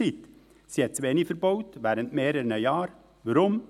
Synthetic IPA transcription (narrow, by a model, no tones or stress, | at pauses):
ɪt̪ | sjɛt̪sʋeːnifəɾboʉt̪ʋæɾənt̪meːɾənəjɑːɾ | ʋɾʊm